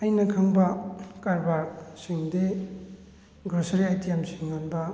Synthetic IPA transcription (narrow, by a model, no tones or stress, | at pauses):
ɐjnɐkʰaŋbɐkaɾbaɾk̚siŋde | ɡɾɔsaɾiajtijamsiŋːanbɐ